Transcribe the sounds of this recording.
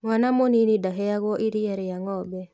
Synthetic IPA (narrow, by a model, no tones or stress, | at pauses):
ŋwanamoninidaɦɛaɣɔʔiɾiɛɾɛjaŋɔbɛ